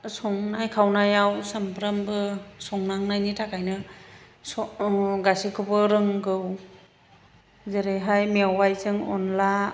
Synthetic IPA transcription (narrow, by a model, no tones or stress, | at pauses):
sɔŋnajkʰawnajawsampʰɾambɯsɔŋnaŋnajnitʰakʰajnɯ | sɔɡasikʰɯbɯɾɯŋɡɯw | zeɾejɦajmeawajzɯŋɔ̰nla